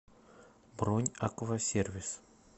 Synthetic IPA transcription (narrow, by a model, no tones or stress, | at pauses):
bɾonʲakovɐsʲervʲɪs